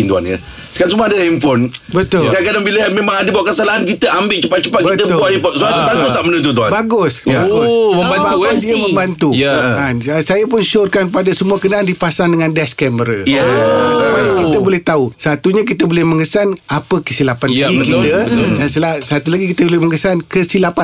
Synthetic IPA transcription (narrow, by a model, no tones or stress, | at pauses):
int̪ua̰nɲə̰ | sə̥kaɾnsuməadəimfɔnbət̪ʊlkakadaŋbiləmemaŋadəbawaʔkəsalaɦankit̪əambɪʔt͡ʃəpat̪̚t͡ʃəpat̪̚kbiət̪əʊuaɾipɔt̪̚sabaɡussamənət̪̬ut̪̬ua̰baɡʊsbaɡʊəbabakadiəmə̃mbant̪uansajapʊnʃʊrkanpadasəmuakənaandipasandəŋãndɛskɛməɾəjsabakit̪əbolɛht̪ausat̪uɲak̬it̪əbolɛhməŋəsanapəkəsilapanaɡikitt̪ədansəlasat̪ulaɡikit̪əblɛhməŋəsankəsilapa